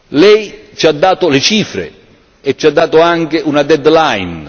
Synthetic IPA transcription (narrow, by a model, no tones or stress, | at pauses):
lɛjt͡ʃad̪ːaːt̪ʊlɪt͡ʃiːfɾḛ | ɛt͡ʃːad̪ːaːt̪ʊaŋkeʔunad̪ɛd̪lajn